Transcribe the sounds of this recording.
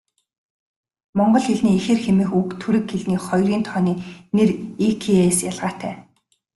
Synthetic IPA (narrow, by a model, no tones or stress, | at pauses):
mɔɴɢɞ̆ɮxeɮniːexeːrxemɘ̆ːxukt̪ʰuɾɘ̆kxeɮniːχɔjriːnt̪ʰɔːniːnerikʰeesjaɮʁaːt̪ʰæː